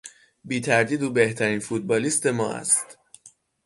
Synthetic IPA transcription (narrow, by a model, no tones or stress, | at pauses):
biːt̪ʰæɾd̪iːd̪uːbe̞ht̪ʰæɾiːnfut̪̚bɒːliːst̪e̞mɒːæ̰st̪